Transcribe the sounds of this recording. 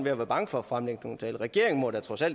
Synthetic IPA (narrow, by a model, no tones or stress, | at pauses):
nʋe̝æʋæɐb̥ɑ̈ŋəfɒ̽æfʁamleɡ̥nont͡sʰɛ̰ːlʁɛɡ̥e̝ɐ̰eŋ̩mɒd̥æt͡sʰʁɒ̽sæl̰